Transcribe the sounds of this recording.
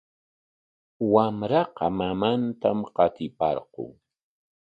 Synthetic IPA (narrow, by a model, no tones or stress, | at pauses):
wamɾɑqɑmamant̪amqɑt̪ɪpɑ̰ɾqʊ̰ŋ